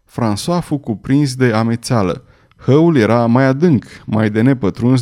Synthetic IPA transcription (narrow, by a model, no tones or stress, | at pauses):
fɾansoafukupɾins̬d̪e̞amet̪salə̰ | həulje̞ɾamajad̪ɨŋkmajd̪e̞ne̞pət̪ɾuns